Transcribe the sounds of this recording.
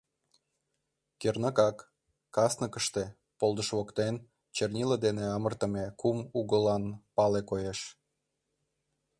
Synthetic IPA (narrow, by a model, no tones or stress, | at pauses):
kernɑkɑkː | ɑsnəkəʃt̪e̽ | polˠd̪əʃβokt̪en | t͡ɕernʲiləd̪eneɑmərt̪ə̆mekumuɣəlɑnpɑlekojeʃ